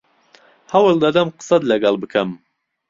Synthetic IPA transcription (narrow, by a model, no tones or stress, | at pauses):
hɐwɨlˠd̪ad̪ɐmqɨ̥sɐt̪lɐɡɑlˠbɨkʰɐm